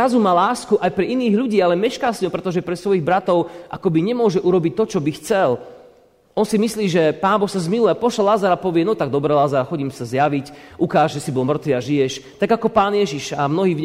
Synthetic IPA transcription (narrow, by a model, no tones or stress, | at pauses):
azumaːlaːskuʔajpɾɛʔiniːɣʎuɟiːalɛmɛʃkaːsɲɔpɾɛt̪ɔʒɛpɾɛsʋɔjiɣbɾat̪ɔʊʔa̰kɔbiɲɛmʊɔʒɛʔuɾɔbic̚t̪ɔt͡ʃɔbixt͡sɛl | ʔɔnsimisliːʒɛpaːnbɔxsazmilujapɔʃalazaɾapɔʋɪɛnɔt̪aɡ̚d̪ɔbɾɛlazaɾaxɔɟiːmsazjaʋicʔukaːʒʒɛsibɔlmr̩t̪ʋiaʒijɛʃt̪aɡakɔpaːnjɛʒiʃamnɔɦiːv